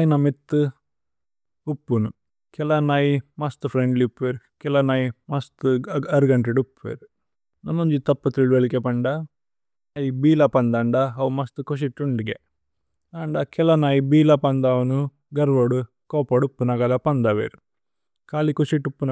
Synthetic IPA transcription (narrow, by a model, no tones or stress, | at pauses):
ajinɐmit̪ːu | upːunu | kɛlanaːjimɐst̪upʰɾeɳɖliupːʋeːɾukɛlɐnaːjimɐst̪uɐɾuɡɐɳʈɾeɽupːʋḛːɾu | nɐnːoɲd͡ʒit̪ɐpːɐt̪ɾilʋelikepɐɳɖa | ɐjibiːlapɐnd̪ɐɳɖaɦɐwumɐst̪ukoʃ̬iʈːuɳɖiɡe | aːɳɖakɛlɐnaːjibiːlapɐnd̪aːwnu | ɡɐɾʋoːɽu | kɔːpɐɽupːunɐɡɐlɐpɐnd̪aʋḛːɾu | kaːlikuʃiʈːupːun